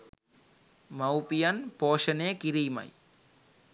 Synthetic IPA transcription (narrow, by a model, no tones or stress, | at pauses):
mɐwpijanpoːʂɐneːkiɾijmɐ̰j